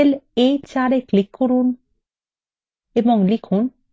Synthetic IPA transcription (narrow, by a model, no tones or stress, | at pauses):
elejt͡ɕaɾeklikːoɾun | eboŋlikʰun